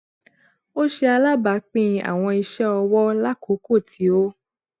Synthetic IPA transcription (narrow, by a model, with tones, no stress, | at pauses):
o˦ʃe˧a˧la˦ba˨˦k͡pĩ˦˨a̰˨w̃ɔ̃˧i˧ʃɛ˦ɔ˧wɔ˦la˦ko˨˦ko˦˨tʰi˨˦o˦